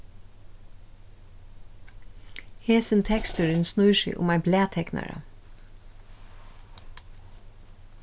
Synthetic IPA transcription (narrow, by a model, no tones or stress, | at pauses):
heːsɪnt̪ʰɛkst̪ʏɾɪnsnʊjʃɪ̰ʔʊ̰mæɪnblɛːt̪ʰɛkna̰ɾa̰